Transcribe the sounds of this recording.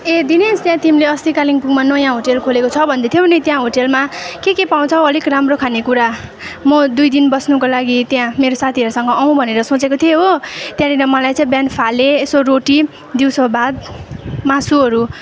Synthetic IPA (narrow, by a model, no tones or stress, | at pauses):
ed̪inest̪jãt̪imleʌst̪ikaliŋpuɡmanʌjãɦoʈelkʰolekot͡sʰʌbʱʌnd̪et̪ʰijobʱʌnet̪jãɦoʈelmakekepaw̃t͡sʰʌʌlikramrokʰanekuɾa | mʌd̪ujd̪inbʌsnukolaɡit̪jãmeɾosat̪ʰiʌɾusʌŋɡʌʔʌw̃bʱʌneɾʌsõt͡sekot̪ʰieɦot̪jãɾiɾʌmʌlajt͡sãĩbjanpʰaleːsoroʈi | d̪iwsʌbad̪̚masuɦʌɾu